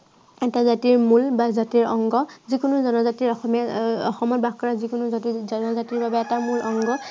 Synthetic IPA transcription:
ɛtazatiɹmulbazatiɹɔŋɡɔzikʊnʊzɔnɔzatiɹɔxɔmaɔ̰xɔmɔt̚bak̚kɔɹazikʊnuzatizɔnɔzatiɹbabɛɛtamulʔɔŋɡɔ

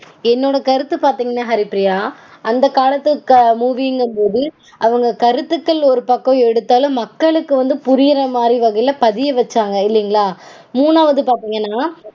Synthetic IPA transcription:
ɛnːoːɽɐkɐɾɯt̪ːɯpaːɾt̪iːŋɡɐnːaːɦɐɾɪpɪɾɪjaːɐnd̪ɐkaːlɐt̪ːɐkmuːʋiŋɡɐmpoːði | ʔɐʋɐŋɡɐkɐɾɯt̪ːɯkːɐɭɔɾɯpɐkːɔ̃ɛɽɯt̪ːaːlɯ̃mːɐkːɐɭɯkːɯʋɐnd̪ɯpʊɾɪjɪɾɐmaːd̪iʋɐɣɐɪjɪlɐpɐðɪjɐʋɐt͡ʃːaːŋɡɐɪlːɪŋɡɐɭaː | muːnaːʋɐðɯpaːɾt̪iːŋɡɐnːaː

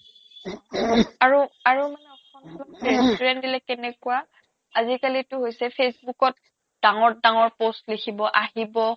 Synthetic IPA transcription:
aɹuaɹumanɛɔkʰɔnalakeɹɛndilɛkɛnɛkuwa | azikalitʊɦojsɛpʰesbukɔt | d̥aŋɔɹdaŋɔɹpostlekʰibɔʔaɦibɔ

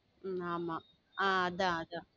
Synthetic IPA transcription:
aːma | aːɐd̪ãɐd̪ã

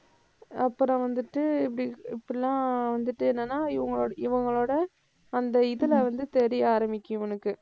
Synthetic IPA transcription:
ɐpːɯɾɐ̃ʋɐnd̪ɯʈːɯɪpːɐɽɪɪpːɐɽɪlːãːʋɐnd̪ɯʈːɯɛnːɐnːaːɪʋɐŋɡɐɭoːɪʋɐŋɡɐɭoːɽɐ | ɐnd̪ɐɪðɯlɐʋɐnd̪ɯt̪ɛɾɪjaːɾɐmɪkʲːjʊ̃ʋɐnɯkːɯ

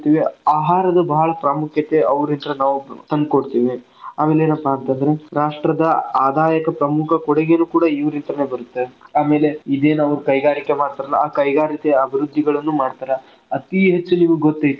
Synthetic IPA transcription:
t̪iːʋiaːɦaːɾɐd̪ɐbɐɦɐɭɐpɾaːmukʰjɐt̪e̞ɐʋɾint̪ɾɐnaːʋut̪ɐnd̪̚koɽt̪iːʋi | aːme̞ːleːnɐpːɐɐnt̪ɐnd̪ɐɾe̞ɾaːʂʈɾɐd̪ɐaːd̪ʱaːjɐkɐpɾɐmukʰɐkɔɽeɡenuːkuːɽaiʋɐɾint̪ɾɐneːbɐɾut̪ːe̞aːme̞ːle̞id̪eːnɐʋɐɾukɐjɡaːɾikːe̞maːɽt̪aːɾɐlːɐaːkɐjɡaːɾit̪eɐbʱiɾud̪ʱːiɡɐɭɐnːumaːɽt̪aːɾɐ | ɐt̪iɦet͡ʃːuniːʋuɡɡot̪ːɐjt̪u

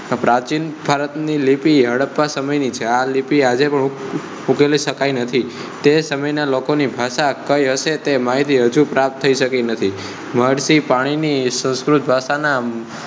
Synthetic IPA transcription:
pɾat͡ʃinbʱaɾət̪nilipiɦəɽəpːasəməjnit͡ʃʰealipiad͡ʒepəɳ | ukeliʃəkajnət̪ʰi | t̪esəməjnalokonibʱaʃakəjɦəʃet̪emaɦit̪iɦəd͡ʒũpɾap̚t̪ʰːəiʃəkinət̪ʰi | məɽsipaɽ̃inisə̃ñskɾut̪̚bʱaʃana

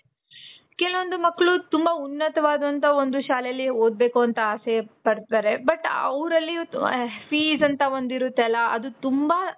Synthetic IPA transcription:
kɛlɐʋond̪umɐkːɐɭut̪umbɐunːɐt̪ɐʋaːd̪ɐnt̪ɐo̞nd̪uʃaːlɛjɐlːioːd̪̚be̞ːkuɐnt̪ɐaːsepɐɽt̪aːɾe̞bɐʈːɐ̰ʋɾɐlːipʰiːzɐnt̪ɐond̪iɾut̪ːeɐlːɐɐd̪ut̪umbɐ

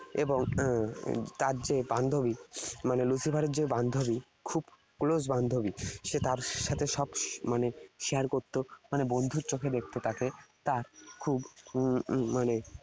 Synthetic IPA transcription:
eboŋ | t̪aɾd͡ʑeband̪ʱobimanelusifaɾeɾd͡ʑeband̪ʱobi | kʰub | klod͡ʑband̪ʱobiʃet̪aɾʃat̪ʰeʃɔbmaneʃiaɾkoɾt̪ːomanebond̪ʱuɾt͡ɕokʰed̪ekʰt̪ot̪aket̪aɾkʰub | mane

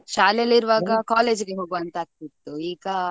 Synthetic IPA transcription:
ʃaːleɐliɾuʋaːɡɐkaːleːd͡ʒɡeɦoːɡuɐnt̪aːk̚t̪it̪ːuiːɡɐ

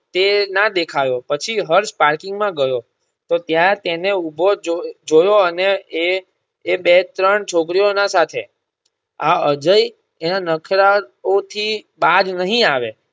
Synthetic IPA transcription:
t̪enad̪ekʰajopət͡ʃʰiɦəɾspaɾkɪŋɡmãɡəjo | t̪ot̪jat̪eneubʱod͡ʒd͡ʒojoəne | bet̪ɾəɳt͡ʃʰokɾijonasat̪ʰḛ | aəd͡ʒəi | enanəkʰɾaot̪ʰibad͡ʒnəɦĩaʋḛ

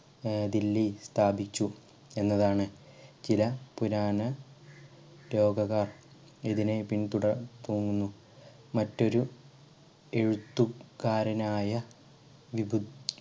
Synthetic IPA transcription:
d̪ilːist̪ʰaːbit͡ɕːu | e̞nːɐðaːɳɨ | t͡ɕilɐpuɾaːnɐ | lo̞ːɡɐɣaːr | iðine̞pint̪uɽɐt̪oːŋːunːu | mɐtːo̞ɾu | e̞ɻut̪ːukaːɾɐnaːjɐ | ʋibud̪

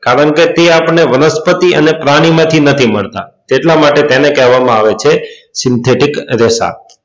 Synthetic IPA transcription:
kaɾəɳket̪eapɳneʋənəspət̪iʔə̰nepɾaɽ̃imãt̪ʰinət̪ʰiməɭt̪a̰t̪eʈlamaʈet̪enekɛɦʋamãaʋet͡ʃʰesɪnt̪ʰeʈikɾesa̰

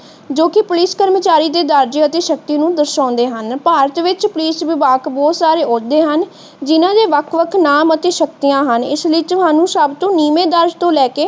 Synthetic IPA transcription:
d͡ʒoːkɪpʊlɪskəɾmət͡ʃaːɾiːd̪eːd̪əɾd͡ʒeət̪eːʃək̚t̪iːnũːd̪əɾʃãːnd̪eːɦənpaːɾət̪ʋɪt͡ʃpʊliːsʋɪbaːkbɔːt̪saːɾeːʊd̪eːɦən | d͡ʒɪnãːd͡ʒeːʋəkʰʋəkʰnaːmət̪eːʃəkt̪ijãːɦənɪ̰slɪt͡ʃʊaːnũːsəbt̪õːniːmẽːd̪əɾd͡ʒt̪õːlɛːkeː

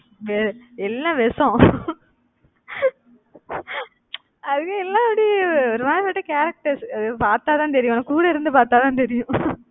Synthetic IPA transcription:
ʋeɾɛlːɐ̃ʋɛsõ | ɐðɯkːẽɛlːãːɐɽiɔɾɯmaːɾɐpɐʈːɐkaːɾɐk̚ʈɐɾsɐðɯpaːɾt̪aːt̪ãːnt̪ɛɾɪjʊ̃nɐkːuːɽɐɪɾɯnd̪ɯpaːɾt̪aːt̪ãːnt̪ɛɾɪjʊ̃

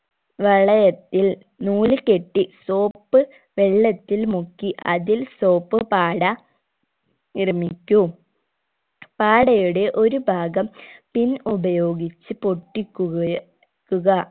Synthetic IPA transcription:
ʋɐɭɐjɐt̪ːil | nuːlɨke̞ʈːiso̞ːpːɨ | ʋe̞ɭːɐt̪ːilmukːiʔɐ̰ðilso̞ːpːɨpaːɽɐ | irɐmikʲːu | paːɽɐjuɽe̞ʔo̞ɾubʱaːɡɐmpinubɐjo̞ːɡit͡ɕːɨpoʈːikʲːu | kːuɣɐ

